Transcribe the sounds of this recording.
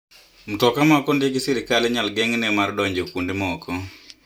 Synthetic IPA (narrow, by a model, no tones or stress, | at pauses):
m̩tɔkamakɔndeɡɪsiɾɪkalɛɲalɡɛŋnɛmardɔɲd͡ʒokundemɔkʰɔ